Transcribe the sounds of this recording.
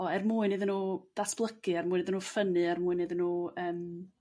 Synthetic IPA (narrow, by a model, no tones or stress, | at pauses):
ɔɛrmuːɨnɨːðənuːd̥asb̥lˠəkɨɛrmuːɨniːðənuːfənɨɛrmuːɨnɨðənuːəːm